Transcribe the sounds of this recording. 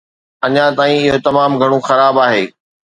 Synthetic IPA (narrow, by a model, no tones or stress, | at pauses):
ɐɲãt̪aːĩɪɦot̪ɐmaːmɡʱɐɽ̃õxɐɾaːbaːɦeː